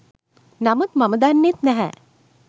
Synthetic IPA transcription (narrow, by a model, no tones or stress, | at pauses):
namət̪mɐməd̪aːnːet̪nɛɦɛ̰